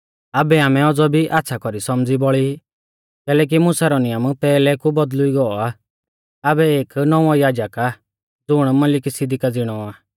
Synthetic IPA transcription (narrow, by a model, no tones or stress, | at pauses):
abɛaːmɛɔd͡zɔbʱiʔat̪ːʃʰakɔɾisɔmd͡zibɔɭi | kɛːlɛk̬imʊsaɾɔnɪjampɛːlɛkubɔd̪lʊiɡɔɔa | abɛeːknɔ̃ɔjaːd͡ʒaka | d͡zʊɽ̃mɐlɪkisɪd̪ikad͡zɪɽ̃ɔa